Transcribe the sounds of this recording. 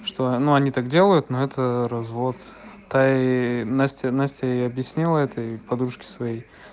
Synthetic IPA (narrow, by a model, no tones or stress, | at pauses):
ʂt̪onuɐnʲit̪akdʲe̞lˠəjʊt̪noɛt̪əɾɐzvo̞t̪ | t̪ːanasʲtʲɪnasʲtʲaiɐbjɪsʲnʲilˠəɛt̪əipɐd̪ɾuʂkʲɪ̥svɐjej